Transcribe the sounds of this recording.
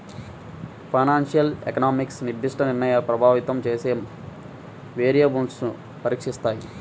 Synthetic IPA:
pʰɐjnaːnʂijɐlekɐnaːmiksnibʱːiʂʈɐniɾnɐjaːlɐpɾɐbʱaːʋit̪ɐmt͡ʃe̞ːseːm | ʋeːɾijɐːbuɳɖsnu | pɐɾiːkʂist̪aːji

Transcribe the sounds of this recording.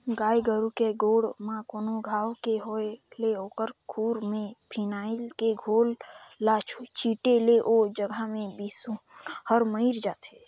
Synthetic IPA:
ɡaːjɡəɾukeɡoːɽmãkoːnoɡʱaːwkeɦoeleoːkəɾkʰuːɾmẽpʰinaːɪlkeɡʱoːllat͡ʃʰut͡ʃiʈeleʔod͡ʒəɡʱamẽbisũhəɾməiɾd͡ʒaːt̪e

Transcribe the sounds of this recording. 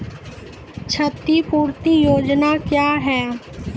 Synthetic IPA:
t͡ʃʰɐt̪ːipuːɾt̪ijoːd͡ʒnakjaːɦɛː

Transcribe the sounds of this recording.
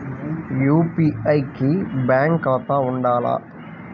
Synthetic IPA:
juːpiɐjkibaːŋkɐt̪aːuɳɖaːla̰

